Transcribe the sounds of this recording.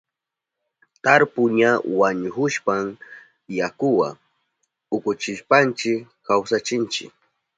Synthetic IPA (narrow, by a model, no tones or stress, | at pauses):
t̪aɾpʊɲawaɲʊxʊʃpam | jakʊwa̰ | ʊkʊt͡ʃɪʃpant͡ʃɪk | kawsat͡ʃɪnt͡ʃɪ̰k